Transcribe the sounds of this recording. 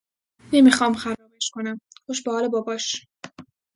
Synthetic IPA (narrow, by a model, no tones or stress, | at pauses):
nemixɒːmxæɾɒːmeʃkonæmxoʃbehɒːlebɒːbɒːʃ